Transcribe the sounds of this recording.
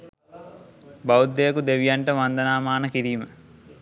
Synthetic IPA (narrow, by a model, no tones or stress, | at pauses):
baud̪ːejəkud̪eʋijaɳʈəʋand̪ɐnaːmaːnəkiɾiːmə